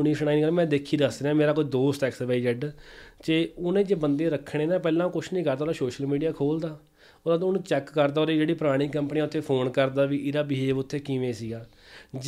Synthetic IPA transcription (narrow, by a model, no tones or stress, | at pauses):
ʊniːsnaːinɡəlmɛ̃ːd̪eːkʰːiːd̪əsɾeãːmeːɾaːkoːiːd̪oːsʈ̪ɛːksʋaːd͡ʒəɖt͡ʃeːʊnẽːd͡ʒeːbənd̪eːɾəkʰːɽ̃eːnãːp̬ɛːlãːkʊt͡ʃʰnĩːkəɾt̪aːɾaːsoːʃəlmiːɖijaːkʰoːld̪aː | odad̪ʊnũːt͡ʃɛːkːəɾd̪aːoɾiːd͡ʒeːɽiːpɾaːɽ̃iːkəmpniːaːʊt̪ʰːeːpʰoːnkəɾd̪aːʋiːʔɪɾaːbiɦeːʋʊt̪ʰːeːkiʋẽːsiːɡaː | d͡ʒ